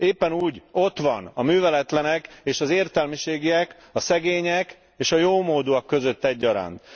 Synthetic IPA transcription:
eːpːɛnuːɟo̞t̪ʋɒnɒmyːvɛlɛt̪lɛnɛkeːʃɒzeːrt̪ɛlmiʃeːɡiɛk | ɒsɛɡeːɲɛk | eːʃɒjoːmoːd̪uɒkːø̞zø̞t̪ːɛɟːɒɾa̰ːnt̪

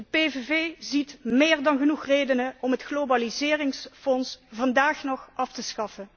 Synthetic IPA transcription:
dəpeveveːzitmɪːrdɑnɣənuxrejdənəɔmɦətxlobalizɪːrɪŋsfɔnsvɑndaːxnɔχʔɑftəsxɑfən

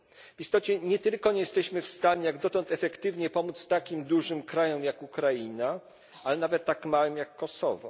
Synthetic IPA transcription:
v̥ist̪ɔt͡ɕɛɲɛt̪ɘlkɔɲɛjɛst̪ɛɕmɘfst̪aɲɛjaɡd̪ɔt̪ɔnt̪ɛfɛkt̪ɘvɲɛpɔmut̪st̪akʲimd̪uʐɘmkɾajɔmjakukɾajina | alɛnavɛt̪ːakmawɘmjakːɔsɔ̰vɔ̰

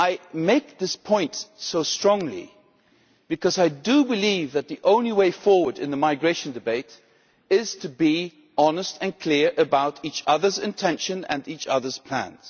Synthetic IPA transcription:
aɪmeɪk̚ðɪspʰɔ̃ɪ̃ntsoʊstɹ̥ɔ̃ŋlḭ | b̥ɨkʰʌzaɪdɨbɨlivðɨt̪̚ðiʔõʊ̃nliweɪfɔɹwə˞ɾɨ̰̃nðəmaɪɡɹeɪʃɨ̃n̩dɨbeɪɾ | ɪz̥tʰɨbi | ɑnəstʰɨ̃nkʰl̥ɪɹʔɨbaʊɾit͡ʃʌðə˞zɨ̃ntʰɛ̃nʃɨ̃nɨ̰̃nit͡ʃʌ̰ðə˞z̥pʰl̥æ̰̃nz̥

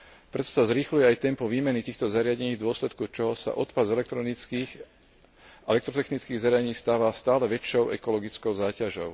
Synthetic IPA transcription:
pɾɛt̪ɔ̥sazɾixlujɛajt̪ɛmpɔʋiːmɛnit̪iːxt̪ɔzaɾɪaɟɛɲiːɣd̪ʊɔslɛt̪kut͡ʃɔɦɔsa̰ʔɔt̪pazɛlɛt̪ɾɔi | ɛlɛkt̪ɾɔt̪ɛxnit͡skiːɣzaɾɪaeɲiːst̪aːʋast̪aːlɛʋɛt͡ʃːɔʊʔɛ̰kɔlɔɡit͡skɔʊzaːcaʒɔʊ

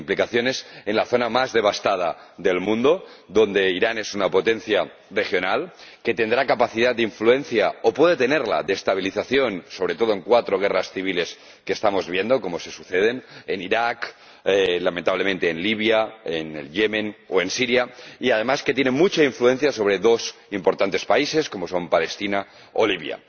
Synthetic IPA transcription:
implikaθjo̞ne̞senlaθo̞namazðe̞β̞ast̪að̞aðelmũnd̪o̞ðo̞nd̪e̞iɾanesunapo̞t̪enθja | re̞xjo̞nalke̞t̪e̞nd̪ɾakapaθið̞at̪d̪eiɱfluẽ̞nθjaopwe̞ð̞e̞t̪ene̞ɾla̰ðeːst̪aβ̞iliθaθjo̞nso̞βɾe̞t̪o̞ð̞oe̞ŋkwat̪ɾoɣ̞erasθiβ̞ile̞s | ke̞ːst̪amo̞zβje̞nd̪o̞ko̞mo̞se̞suθeð̞e̞neniɾak | elame̞nt̪aβle̞ment̪eːnliβjaenḛljemẽno̞e̞nsiɾjaiað̞e̞maske̞t̪jenemut͡ʃaiɱflue̞n̟θjaso̞β̞ɾe̞ðo̞simpoɾt̪ant̪e̞spaise̞sko̞mo̞so̞mpale̞st̪ina | oliβja̰

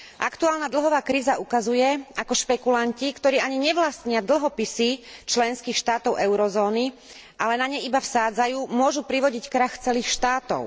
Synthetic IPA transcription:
ʔa̰kt̪uaːlnad̪l̩ɦɔʋaːkɾiːzaʔukazujɛakɔʃpɛkulancikt̪ɔɾiːaɲiɲɛʋlast̪ɲɪad̪l̩ˠɦɔpisit͡ʃlɛnskiːxʃt̪aːt̪ɔʊʔɛʊɾɔzɔːni | ʔalɛnaɲɛjibafsaːd͡zajuːmʊɔʒupɾiʋɔɟickɾaxt͡sɛliːxʃt̪aːt̪ɔ̰ʊ

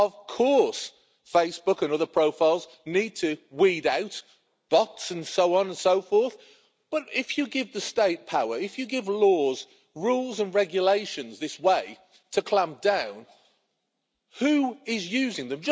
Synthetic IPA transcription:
əv̥kʰɔɹs | feɪsb̥ʊkə̃nʌðə˞pʰɹ̥oʊfaɪlˠz | nid̚tʰɨwiːɾaʊt | b̥ɒtsə̃nsoʊɒ̃nə̃nsoʊfɔɹθ | b̥ʌɾɪfjɨɡɪvðəsteɪt̚pʰaʊə˞ɪfjɨɡɪvlɔːz | ɹuːlˠzə̃nɹɛɡjəleɪʃə̃nzðɪsweɪ | tʰəkʰl̥ãmp̚d̥ãʊ̃n | hʉɪzjʉːzɪ̃ŋðə̃md͡ʒʌ

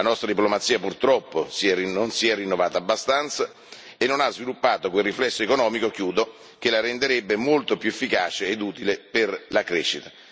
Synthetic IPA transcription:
anɔst̪ɾad̪iplomat̪siːapurt̪ɾɔpːosiɛrionsiɛrːinːovaːt̪aːbːast̪ant̪sa | enːonazvilupːaːt̪okwelrːiflɛsːoekonɔːmikok̟juːd̪o | k̟elaɾɛnd̪eɾebːemolt̪opjuefːikaːt͡ʃeːd̪uːt̪ileperlakɾeːʃːit̪a

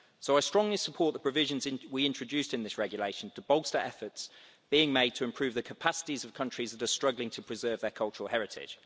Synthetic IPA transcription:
soʊaɪstɹ̥ɒ̃ŋlisəpʰɔˑʔðəpʰɹ̥əvɪʒə̃nzɪ̃nwiɪ̃nt͡ʃɹ̥əd͡ʒʉˑstɪ̃nðɪsɹɛɡjəleɪʃə̃ntʰəbɒʊlˠstəɹʔɛfəts | b̥iːɪ̃ŋmeɪd̚tʰəɪ̃mpʰɹ̥ʉːvðəkʰəpʰasɪ̥tizəv̥kʰʌ̃nt͡ʃɹ̥izðətəstɹ̥ʌɡlɪ̃ŋtʰəpʰɹ̥ɪzɜːvðəkʰʌlˠt͡ʃəɹəlˠɦɛɹɪtʰɪ̰d̥ʒ̥

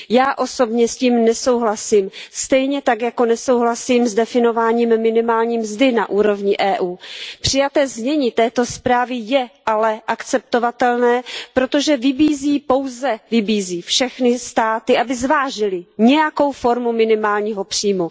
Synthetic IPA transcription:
jaːʔo̞so̞bɲɛsciːmnɛso̞wɦlasiːmst̪ɛjɲɛt̪akjako̞nɛso̞wɦlasiːmzdɛfɪno̞vaːɲiːmːɪnɪmaːlɲiːmzdɪnaʔuːɾo̞vɲɪʔɛːʔuːpr̝̥ɪjat̪ɛːzmɲɛɲit̪ɛːt̪o̞spɾaːvɪjɛʔalɛʔakt͡sɛp̚t̪o̞vat̪ɛlnɛːpɾo̞t̪o̞ʒɛvɪbiːziːpo̞wzɛvɪbiːziːfʃɛxnɪst̪aːt̪ɪʔabɪzvaːʒɪlɪɲɛjako̞wfo̞ɾmumɪnɪmaːlɲiːɦo̞pr̝̥iːmu

